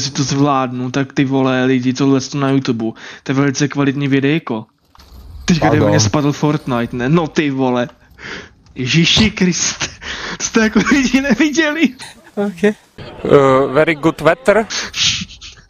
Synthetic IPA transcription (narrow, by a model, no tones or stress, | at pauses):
sɪt̪ozvlaːdnut̪akt̪ɪvolɛlɪɟɪt̪odlɛst̪onajut̪ubut̪oɛvɛlɪt͡sɛkvalɪt̪ɲivɪdɛjako | t̪ɛckad̪ɛɛɲɛspadl̩foɾt̪najt̪nɛnot̪ɪvolɛ | jɛʒiʃɪkɾɪst̪ɛ̥t̪o̥st̪ɛjakolɪɟɪnɛvɪɟɛlɪ | okɛ | vɛɾɪɡut̪vɛt̪ɾ